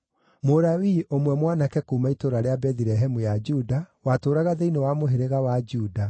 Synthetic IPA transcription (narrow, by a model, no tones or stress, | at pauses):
moɾawiʔomwɛmwanakɛkuːmaitoɾaɾeabɛðiɾɛɦɛmujad͡ʒudawatoːɾaɣaðeinewamoɦeɾeɣawad͡ʒuːda